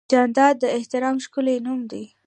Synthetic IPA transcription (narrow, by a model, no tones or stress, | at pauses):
d͡ʒɑnd̪ɑd̪ːəɪht̪ɪɾɑmʃkʊlenumd̪i